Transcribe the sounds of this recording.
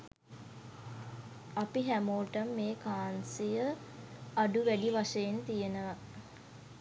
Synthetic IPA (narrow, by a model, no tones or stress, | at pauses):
apiɦæmoːʈəmːeːkaːnsijə | aɖuʋæɖiʋaʂəjent̪ijenəʋa